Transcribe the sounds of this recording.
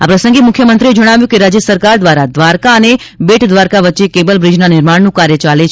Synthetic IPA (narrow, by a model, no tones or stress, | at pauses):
apɾəsə̃ŋɡemʊkʰjəmənt̪ɾied͡ʒəɽ̃aʋjũkeɾad͡ʒjəsəɾkaɾd̪ʋaɾad̪ʋaɾkaənebeʈʰd̪ʋaɾkaʋətːt͡ʃekebəlbɾɪd͡ʒnanɪɾmaɽnũkaɾjət͡ʃalet͡ʃʰ